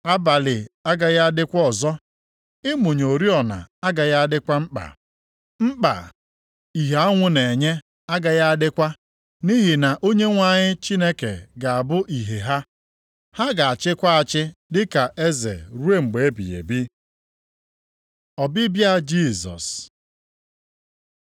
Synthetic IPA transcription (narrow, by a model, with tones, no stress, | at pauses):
a˦ba˨lɪ˨a˦ɡa˨ja˦a˦dɪ˦kʷɔ˦ɔ˨zɔ˦ | ɪ˦mʊ˨ɲo˨ɾi˦ɔ˨na̰˨a˦ɡa˨ja˦a˦dɪ˦kʷa˦mŋ͡m̩˦k͡pa̰˨ | m̩˦k͡pa̰˨ | i˨ɦe˨a˦ŋʷʊ˦ne˨ɲe˦ | a˦ɡa˨ja˦a˦dɪ˦kʷa˦ | ni˦ɦi˨na˨ʔo˦ɲe˦ŋʷa˦˨ɲɪ˦t͡ʃi˦ne˦kḛ˨ɡa˨a˨bʊ˦ʔi˨ɦe˨ɦa˦ | ha˦ɡa˨a˨t͡ʃɪ˦kʷa˦a˨t͡ʃɪ˦dɪ˦ka˨ʔe˦zḛ˨ɾu˦e˦ŋ͡m̩˨ɡ͡be˨e˦bḭ˨jḛ˨bi˦ | ɔ˨bɪ˦bja˦d͡ʒi˦˨zɔ̰˨s